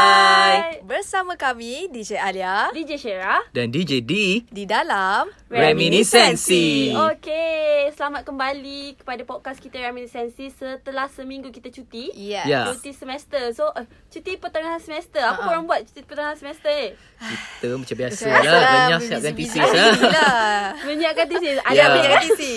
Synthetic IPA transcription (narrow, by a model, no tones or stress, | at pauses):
ajbərsamãkamidid͡ʒealiadid͡ʒeʃeɾadandid͡ʒedididalamrrɛmĩnisɛnsiokesəlamat̪̚kəmbalikə̥padapɔd̚kaskit̪əɾɛminisɛnsisət̪əlahsəmĩŋɡukit̪at͡ʃut̪ijat͡ʃut̪isəmɛst̪əsoʔt͡ʃut̪ipət̪aŋaɦansəmɛst̪əapakoɾaŋbuat̪̚t͡ʃu̥t̪ipət̪aŋaansəmɛst̪əe | kit̪əmat͡ʃambiasəlabəɲasiap̚kant̪isia | məɲaʔkant̪isisajdaəasi